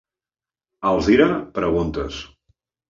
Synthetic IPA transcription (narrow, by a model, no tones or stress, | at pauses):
əlˠziɾapɾəɣunt̪əs